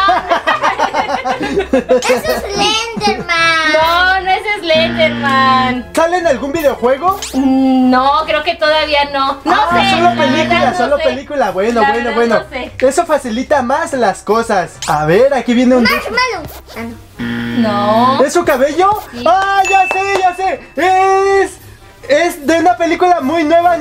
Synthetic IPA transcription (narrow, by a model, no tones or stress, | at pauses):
lend̪manonoesezlend̪emãnsalenalɣumbiðeo̞xwe̞ɣo̞ | nokɾeoket̪oðaβianonosolopelikulasolopelikulaβwe̞nobwe̞noβwe̞no̞e̞so̞fasilit̪amaslasko̞sasa̰βeɾakiβjeneũndemalo | noesːukaβe̞ʝoaʝaseʝasees | esðeunape̞likulamujnwe̞βa